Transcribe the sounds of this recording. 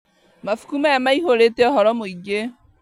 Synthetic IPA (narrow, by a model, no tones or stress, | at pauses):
mafu̥kumaamaiɦoɾeteɔɦɔɾɔmoiɡe